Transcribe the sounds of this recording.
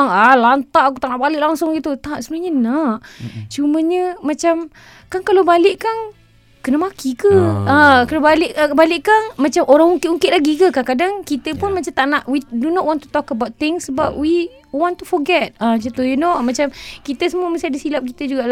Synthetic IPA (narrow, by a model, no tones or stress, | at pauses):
ŋalant̪aʔakut̪aʔnaʔbalɪʔlaŋsʊŋɡit̪ut̪aʔsəbənaɲənaʔt͡ʃuməɲəmat͡ʃam | kankalobalɪʔkan | kənəmakʰikəəkalabalɪʔəbalɪʔkanmat͡ʃamʔoɾaŋuŋkɪʔuŋkɪʔlaɡikəkankadaŋkit̪əpʊnmat͡ʃamt̪aʔnaʔwidunɔʔwɔnt̪u̥t̪ɔkəbawt̪̚t̪ɪŋsːəbap̚wi | wɔnt̪ufɔɡɛt̪̚at͡ʃat̪ujunomat͡ʃamkit̪əsəmuəməsajadəsilap̚kit̪əd͡ʒuɡaʔ